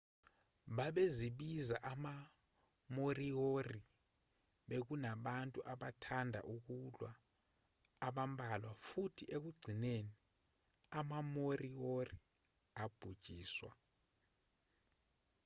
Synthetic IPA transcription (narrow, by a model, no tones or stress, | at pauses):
ɓaɓeziɓizaʔama | moriori | ɓek̬unaɓantʼuʔaɓatʰandʱa̰ʔuk̬ulwaː | ɓambʱalwafutʰiʔek̬uɡ͡ǀʱineni | amamoriori | ab̥ʱud̥ʒ̥ʱiːswa̰